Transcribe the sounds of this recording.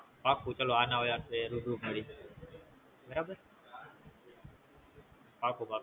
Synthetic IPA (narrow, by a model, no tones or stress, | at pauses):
pakʰũt͡ʃəloanaojaːteɾubɾuməɽiː | bəɾabəɾ | pakuba